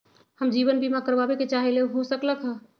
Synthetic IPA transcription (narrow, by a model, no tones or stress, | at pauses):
həmd͡ʒiβənbʱimakəɾbabeket͡ʃaɦeleɦosəkləkʰɦə̃